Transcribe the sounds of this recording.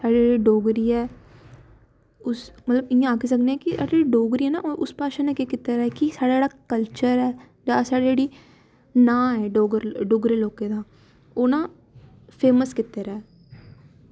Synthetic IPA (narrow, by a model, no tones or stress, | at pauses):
saːɽed͡ʒɽiːɖoːɡɾiːɛː | ʊsmət̪ləbɪjãaːkeːs̬əkneːɛːkisa̰ːɽɽiɖoːɡɾiːɛːna̰ːʔʊspaːʃãnãːkekɪt̪ːeɾɛɛːkisaːɽad͡ʒeːɽaːkəlt͡ʃəɾɛː | d͡ʒaːsaːɽed͡ʒeːɽiː | nãːɦɛːɖoːɡəɾɖoːɡɾeːloːkeːd̪aː | oːnaː | pʰeːməskɪt̪ːeːɾɛɛː